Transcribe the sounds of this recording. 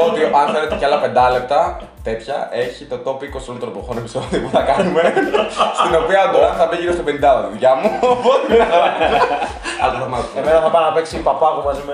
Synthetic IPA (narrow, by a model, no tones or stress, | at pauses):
ot̪iʔɐnθe̞let̪eceɐlɐpe̞nd̪ɐle̞p̚t̪ɐ | t̪e̞t̪çɐ̰e̞çit̪o̞t̪o̞piko̞siolit̪ɾopɾoxonepi̥so̞ðiopuθɐkɐnume̞st̪ino̞piɐɡoɐnθɐbiʝiɾost̪ope̞nind̪ɐoððucɐmuopot̪iɐɐ | ɐ̰lt̪ofɐmɐemenɐθɐpɐɾnɐpeksipɐpɐmumɐzime